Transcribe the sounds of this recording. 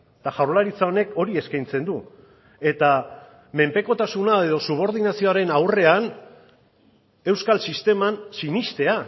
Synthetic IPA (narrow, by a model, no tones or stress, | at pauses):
t̪aʝawɾlaɾit͡sao̞ne̞ko̞ɾie̞skajnt͡se̞nd̪u | e̞t̪a | me̞mpe̞ko̞t̪asunae̞ð̞o̞suβ̞o̞ɾð̞inasio̞aɾe̞nawre̞an | e̞wskalsist̪e̞mansinist̪e̞a